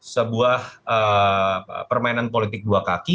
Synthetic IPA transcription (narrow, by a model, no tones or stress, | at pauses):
səbuahə | pərmainanp̬olit̪ɪk̚duakaki